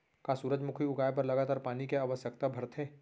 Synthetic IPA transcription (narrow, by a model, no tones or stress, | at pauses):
kasuːɾəd͡ʒmʊkʰiʊɡaːjp̬ɐɾlɐɡaːt̪aːɾpaːnikeaːʋəsjək̚t̪abʱɐɾt̪ʰẽː